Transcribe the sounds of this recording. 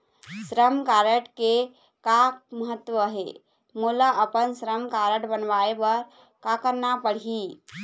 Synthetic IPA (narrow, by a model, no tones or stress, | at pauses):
sɾəmkaɾəʈke | kak̚məɦət̪ːwəɦḛ | mulaʔəpənsɾəmkaɾəʈbənʋaebəɾ | kakəɾnapəɽ̤i